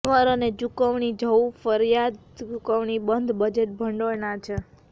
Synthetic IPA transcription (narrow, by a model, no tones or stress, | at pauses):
ʋəɾəned͡ʒukəʋɳid͡ʒʱəwfəɾjad̪ | d͡ʒukəʋɳibənd̪ʱbəd͡ʒeʈ̚bʱəɳɖojnat͡ʃʰe